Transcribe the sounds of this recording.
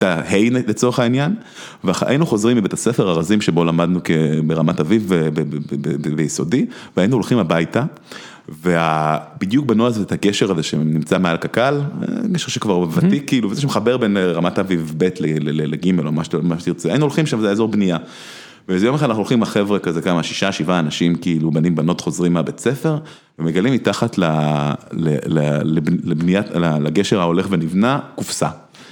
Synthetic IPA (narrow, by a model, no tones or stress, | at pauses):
t̪ahe̞jlet͡so̞ʁeχainjan | veaa̰jinuχo̞zʁimibetasefeʁaʁazimʃebo̞lamad̪nukebeʁamatavivebebejiso̞diveainuolχimabajta | veab̥idjuk̚banoazoet̪aɡe̞ʃeʁazeʃḛnimt͡samealkakal̰ɡeʃeʁʃekvaʁvat̪ikiːluvezeʃemeχabeʁbe̞nʁamatavivbe̞tleleeleɡimelomaʃtmaʃt̪iʁt͡seainuolχimʃamzeezo̞ʁbnija | vezjo̞meχadanaχuolχimaχe̞vʁekazekamaʃi̥ʃaʃivaːnaʃimkiilubanimbano̞tχo̞zʁimːabet͡se̞fe̞ʁ | vemeɡalimitaχatlalelaleblebnijalalaɡeʃeʁhaole̞χvenivnakufsa